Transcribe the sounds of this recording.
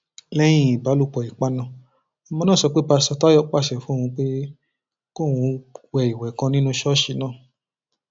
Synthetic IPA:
lɛ˦j̃ĩ˧˦˨i˨ba˨˦lu˦˧˨k͡pɔ˨i˨k͡pa˦nã˧˨ | ɔ˧mɔ̃˧nãː˦˨sɔ˨˧˦k͡pe˦ba˧sɔ˧ta˦jɔ˦k͡pa˦˨sɛ˨fũ˨˦˨ũ˧k͡pe˦ | ko˦˨wũ˨˧wɛ˧˨i˨wɛ˨˦kã˧nĩ˦nũ˦ʃɔ˦ʃi˧˦nãː˦˨

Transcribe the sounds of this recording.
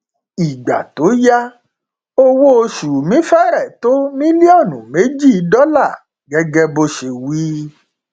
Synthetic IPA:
i˨ɡ͡ba˨to˨˦ja˦ | o˦wo˦o˧ʃu˨mĩ˨˦fɛ˦ɾɛ˦˨to˦mĩ˦li˦ɔ˦˨nũ˨˦me˨˦d͡ʒi˦˨˧dɔ˦la˦˨ | ɡɛ˧ɡɛ˧bo˧ʃe˨wi˨˦

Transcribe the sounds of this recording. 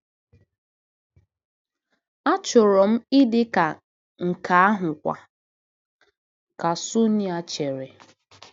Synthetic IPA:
a˦t͡ʃʊ˨ɾɔ˨m̩˦ɪ˦dɪ˦ka˨ | ŋ̩˨kʰa˨a˦ɦʊ˨kʷa̰˨ | ka˨sʊ˦ni˦a˦t͡ʃe˨ɾe˨

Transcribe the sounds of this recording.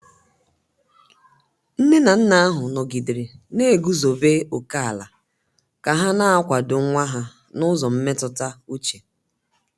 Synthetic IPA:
n̩˦ne˦na˨n̩˦na˦a˦ɦʊ˨nɔ˨ɡi˨dɪ˨ɾe˨ne˦e˨ɡu˦zo˨be˦o˨ka˦a˨la˨ | ka˨ɦa˦na˦a˦kʷa˨dʊ˨˦ŋʷa˦ɦa˨ | nʊ˦zɔ˨m̩˦me˦tʊ˨ta˦u˦t͡ʃe˨

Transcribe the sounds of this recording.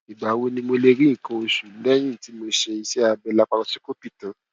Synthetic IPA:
i˨ɡ͡ba˨˦wo˧nĩ˧mo˧le˧ɾĩ˦˨kã˧o˧ʃu˨n̩˦dɛ˦j̃ĩ˦˨ti˨˦mo˧ʃe˧i˧sɛ˦a˧bɛ˧la˦k͡pa˧ɾa˧si˦ko˦pi˦˨tã˨

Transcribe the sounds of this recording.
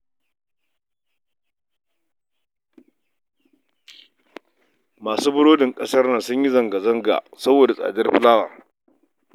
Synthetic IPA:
maː˨suː˦bʊ˦ɽoː˦dɪ˨ŋkʼɐ˦sɐ˦rnɐ˨sʊ˦ɲji˦zɐ˨ŋɡa˨zɐ˦ŋɡa̰˨sɐ˦boː˨da˨sʼa̰ː˨dɪ˦rɸɪ˦laː˦wɐ̰˨r

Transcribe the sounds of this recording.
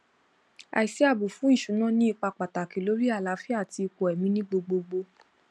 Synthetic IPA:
a̰˨i˨si˦a˦˨bo˨fũ˨˦ĩ˦˨ʃũ˨˦nã˦˨nĩ˦i˦˨k͡pa˧k͡pa˨ta˨ki˨lo˨˦ɾi˦a˦˨la˨˦fi˦a˦˨ti˧ko˨ɛ˨mĩ˦nĩ˦ɡ͡bo˧ɡ͡bo˧ɡ͡bo˧

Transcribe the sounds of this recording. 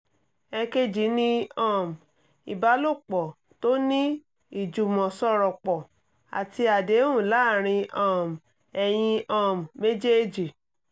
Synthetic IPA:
ɛ˧ke˧d͡ʒi˨˦nĩ˦ã˦˨m˨ | i˨ba˧˦lo˦˨k͡pɔ˨ | to˦nĩ˦ | i˨d͡ʒu˨mɔ̃˨sɔ˧ɾɔ˨k͡pɔ˨ | a̰˨ti˧a˨de˨˦wũ˦˨la˦˨ɾ̃ĩ˧ã˦˨m˨ | ɛ˧j̃ĩ˧ã˦˨mː˨e˦d͡ʒe˦d͡ʒi˨

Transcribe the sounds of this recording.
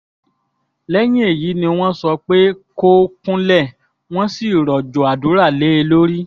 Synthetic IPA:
lɛ˦j̃ĩ˦e˦˨ji˨˦nĩ˧w̃ɔ̃˦sɔ˧k͡pe˦ko˦kũ˦lɛ˦˨ | w̃ɔ̃˦si˦˨ɾɔ˨d͡ʒo˨a˨dũ˨˦ɾa˦˨le˨˦e˧lo˦ɾi˦

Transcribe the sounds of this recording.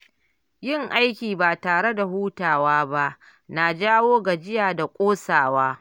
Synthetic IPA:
jɪ˦˨ŋʔa˦jkʲiː˨baː˨taː˨ɽe˦da˨huː˦taː˨waː˦ba˦ʔ | na˨d͡ʒaː˦woː˦ɡa˨d͡ʒɪ˦jaː˨da˨kʷʼoː˦saː˨waː˦

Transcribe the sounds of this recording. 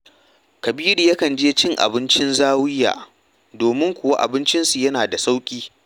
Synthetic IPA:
kɐ˨biː˦ɽiː˨jɐ˦kɐ˨nd͡ʒeː˦t͡ʃɪ˦˨ŋʔa̰˨bɪ˦nt͡ʃɪ˦nzaː˦wɪ˦jːa̰ː˨ | doː˨mɪ˦ŋkʷʊ˨wa˦ʔa̰˨bɪ˦nt͡ʃɪ˦nsu˨jɐ˦naː˨da˨sa˦wkʲʼiː˦

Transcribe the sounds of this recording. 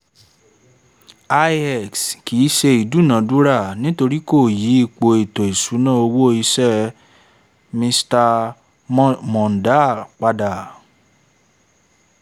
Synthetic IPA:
a˧ɛ˨kski˨˦ʃe˧i˨du˨˦˨nã˨˦du˦ɾa˦˨nĩ˦to˧ɾi˦ko˦˨ji˨˦i˦˨k͡po˧e˨to˨e˨su˨˦nã˦˨o˧wo˦i˧sɛ˦˨ | mĩ˧sta˧ | mɔ̃˨n̩˨da˦˨k͡pa˧da˨

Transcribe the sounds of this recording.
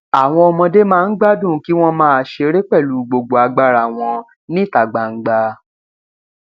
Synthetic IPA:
a˨w̃ɔ̃˧ɔ˧mɔ̃˧de˦mãː˧n̩˦ɡ͡ba˦dũ˦˨˦ki˦w̃ɔ̃˦mãː˦˧˨ʃe˧ɾe˦k͡pɛ˦˨lu˨˦ɡ͡bo˨ɡ͡bo˨a˨˧ɡ͡ba˧ɾa˨w̃ɔ̃˧ | nĩ˦˨ta˨ɡ͡ba˨ŋ̩˨ɡ͡ba˧

